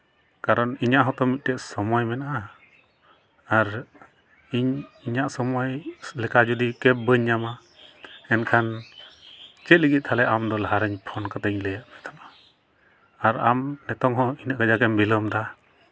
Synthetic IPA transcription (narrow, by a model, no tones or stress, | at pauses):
kaɾɔniɲaʔɦɔ̃t̪ɔmit̪̚ˀʈɛʔsɔmɔjmɛnaʔa | aɾ | iɲiɲaʔsɔmɔjlɛkad͡ʒud̪ikɛp̚bəɲːama | ɛnkʰan | t͡ʃɛt̪̚liɡit̪̚ˀt̪ʰalɛʔamd̪ɔlaɦaɾəɲpʰɔnkat̪əɲləjaʔmɛt̪ʰama | aɾamnɛt̪ɔŋɦɔ̃iɲaʔɡad͡ʒakɛmbiləmd̪a